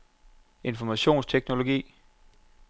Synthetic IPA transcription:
e̝nfɒmæɕo̝̰ːnst͡sʰeɡ̥no̝lo̝ɡ̥ḭː

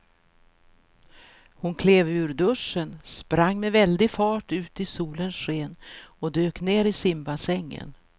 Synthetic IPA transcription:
hʊnkʰleːvʉ̟ːɾɖɵʂːənspɾaŋːmɛvɛld̪ɪfɑːʈʉ̟ːt̪ɪsuːlənsɧeːnɔd̪øːkneːɾɪsɪmbasɛŋːə̰n

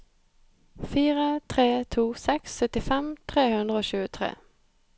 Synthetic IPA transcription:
fiːʁət̪ʰʁeːt̪ʰuːsɛksːœt̪ɪfɛmt̪ʰʁeːhʉnd̪ʁəoːɕʉːət̪ʰʁḛː

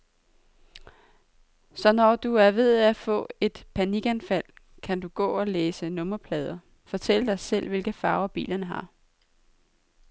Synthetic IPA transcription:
sɒ̽nɒd̥uæɐʋe̝ð̞̰ˠæfɔ̰̽ːe̝d̥pʰæniɡ̥ænfæl̰ | kʰænd̥uɡ̥ɔ̰̽ːɒ̽leːsənɔ̽mɐpʰlɛːð̞ˠɐ | fɒt͡sʰel̰əd̥ɑ̈ɪsel̰ʋe̝lɡ̥əfɑ̈ːʊɐb̥ḭːlɐnəɦɑ̈

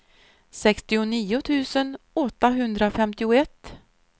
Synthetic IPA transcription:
sɛkst̪ɪʊniːʊt̪ʰʉ̟ːsənɔt̪ːaɦɵnd̪ɾafɛmt̪ɪʊɛt̪ː

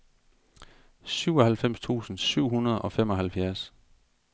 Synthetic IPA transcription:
syʊɒ̽hælfem̰st͡sʰṵːsn̩syʊ̰ɦunɐð̞ˠɒ̽femɒ̽ɦælfjæɐs

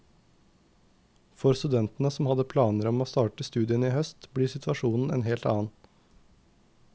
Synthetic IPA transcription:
fɔɾst̪ʉd̪ɛnt̪n̩əsɔmhɑd̪əpʰlɑːnəɾɔmoːst̪ɑːʈəst̪ʉːd̪ɪəniːhœst̪bliːsɪt̪ʰʋɑʃuːnn̩ḛːnheːlt̪ɑ̰ːn

